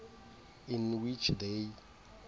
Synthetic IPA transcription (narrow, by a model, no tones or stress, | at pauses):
ĩnwit͡ʃʰde